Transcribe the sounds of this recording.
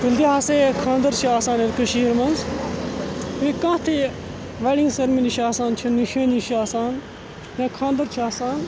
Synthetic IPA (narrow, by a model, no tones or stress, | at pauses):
t̪ild̪iɦaːseːkʰãːnd̪ɐɾt͡ʃʰiaːsaːnet̪kuʃiːɾmɐnz | ʋĩkãːt̪ʰi | ʋeɽĩŋsɐɾminiʃiaːsaːnt͡ʃʰiniʃʰẽːniʃʰiaːsaːn | nẽːkʰãːnd̪ɐɾt͡ʃʰiaːsaːn